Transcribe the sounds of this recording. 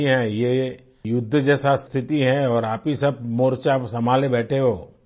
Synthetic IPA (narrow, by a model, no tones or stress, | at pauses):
iɦɛ̃je | jʊd̪ʱːəd͡ʒɛːsast̪ʰɪt̪iɦɛ̃ɔːɾaːpɦisɐb̚moːɾt͡ʃasɐmaːlebɛːʈʰeɦoː